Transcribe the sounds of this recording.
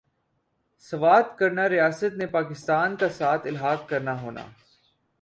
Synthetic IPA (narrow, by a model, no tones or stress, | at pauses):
sɐʋaːd̪kɐɾnaɾɪjaːsət̪nepaːkɪst̪aːnkasaːt̪ʰɪlɦaːɡkɐɾnaɦoːna̰ː